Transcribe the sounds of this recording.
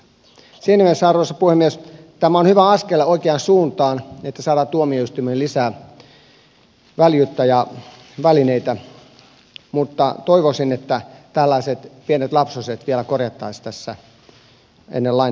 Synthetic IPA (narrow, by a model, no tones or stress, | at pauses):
siːnːæmiesːɑrʋosːɑpuhemːiest̪æmæonhyʋæɑskelːeoikeɑnsuːnt̪ɑːnet̪ːæsɑːdɑːt̪t̪uomioyst̪ymelisæː | ʋæljyt̪ːɑjɑ | ʋælineit̪æ | mut̪ːɑt̪oiʋosinet̪ːæt̪ælːæiset̪pienet̪lɑpsuset̪ʋielækorjɑt̪ːɑist̪æsːæ | ḛnːelːɑi